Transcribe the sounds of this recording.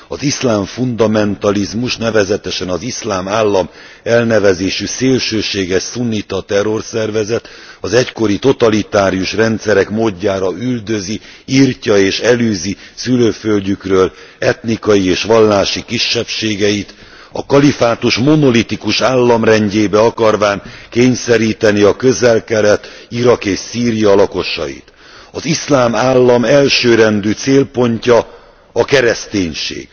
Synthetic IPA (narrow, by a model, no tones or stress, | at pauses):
ɒzislaːɱfund̪ɒmɛnt̪ɒlizmuʃnɛvɛzɛt̪ɛʃɛnɒzislaːmaːlːɒm | ɛlnɛvɛzeːʃyseːlʃøːʃeːɡɛsunːit̪ɒt̪ɛrːo̞rsɛrvɛzɛt̪ɒzɛcko̞ɾit̪o̞t̪ɒlit̪aːɾijuʃrɛnt̪sɛɾɛkmoːɟːaːɾɒyld̪ø̞ziircɒeːʃɛlyːzisyløːfølɟykrøːl | ɛt̪nikɒjieːʃʋɒlːaːʃikiʃːɛpʃeːɡɛit̪ | ɒ̰kɒlifaːt̪uʃmo̞no̞lit̪ikuʃaːlːɒmrɛɲɟeːbɛɒkɒrvaːŋkeːɲsɛɾiːt̪ɛniɒkøzɛlkɛɾɛt̪iɾɒkeːʃsiːɾijɒlɒko̞ʃɒ̰jḭt̪ | ɒzislaːmaːlːɒmɛlʃøːɾɛnd̪yːt̪seːlpo̞ɲcɒ | ɒkɛɾɛst̪eːɲʃḛːɡ̥